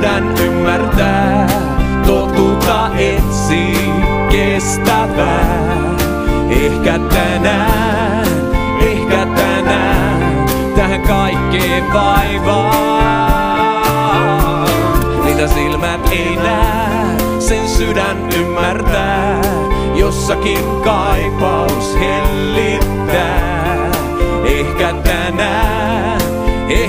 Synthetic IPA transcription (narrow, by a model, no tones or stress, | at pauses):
dænymːært̪æː | t̪ot̪ːuk̪ːɑʔensi | ke | st̪æʋæː | ehkæt̪ænæː | ehkæt̪ænæː | t̪æhæŋkɑikːeː | ʋɑiʋɑ | sit̪æsilmæt̪einæː | sensydæn | ymːært̪æː | josːɑkinkɑipɑushelːit̪ːæː | ehkæt̪ænæː | e